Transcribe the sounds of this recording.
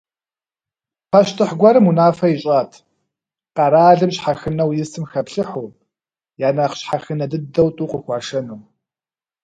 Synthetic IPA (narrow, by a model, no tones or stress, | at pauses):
pʰɐʃtʰɨħɡʷɐɾɨmunaːfɐjɪɕʼaːtʰ | qɑɾaːɮɨmɕħaxɨnɐwjɪsɨmxɐpɬɨħuː | jaːnaqɕħaxɨnɐdɨdɐwtʼuːqəxʷɑːʂɐnuw